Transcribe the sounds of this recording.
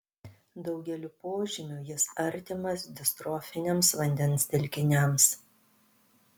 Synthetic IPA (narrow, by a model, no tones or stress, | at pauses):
d̪ɒʊɡʲɛlʲʊpoːʒʲɪmʲʊjɪsɐɾʲt̪ʲɪmɐsd̪ʲɪst̪ɾɔːfʲɪnʲemsʋɐnʲd̪ʲɛnsd̪ʲɪlʲkʲɪnʲɛms